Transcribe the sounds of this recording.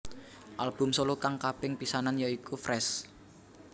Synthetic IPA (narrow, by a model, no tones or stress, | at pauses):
ʔalb̥ʊ̤msolukaŋkapɪŋpisananjaikufrɛs